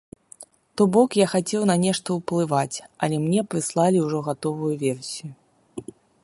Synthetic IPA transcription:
t̪ɔbɔkjaxat͡sʲɛwnɐnʲɛʂt̪ɐwplˠɨvat͡sʲɐ̰lʲɛmnʲɛpɾɨslˠalʲiwʐɔɣat̪ɔvujuvʲɛrsʲiju

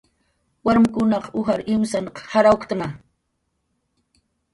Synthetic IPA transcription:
waɾmɪkʊnɑqʊxaɾɪmsanqhaɾawkt̪ŋa

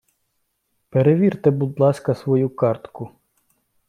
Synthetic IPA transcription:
peɾeʋʲirt̪ɛbud̪lˠɑsʲkɐsʋɔjukɑrt̪kʊ

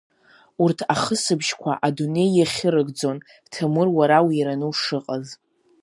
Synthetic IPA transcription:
urtʰaχəsɨbʒkʷʰa̰ʔadune̞jːaχʲɪɾɨɡd͡zo̞n | tʰɨmɨrwaɾawiɾanɨwʂɨqʼaz

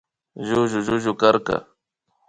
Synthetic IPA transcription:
ʒʊʒʊʒʊʒʊkaɾka̰

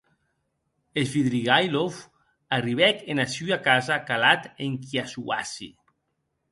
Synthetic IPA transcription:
esβiðɾiɣajlof | ariβɛkenasyakazakalat̪eŋkiasua̰sḭ

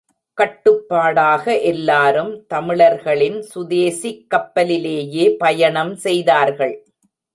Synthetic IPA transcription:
kɐʈːɯpːaːɽaːɣɐʔɛlːaːɾɯmt̪ɐmɪɭɐɾɣɐɭɪnsʊðeːsikːɐpːɐlɪleːjeːpɐjɐɳɐmsɛjðaːɾɣɐɭ

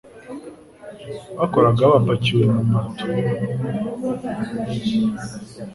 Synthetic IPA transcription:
βakoɾaɡaβapaciomumatʰo

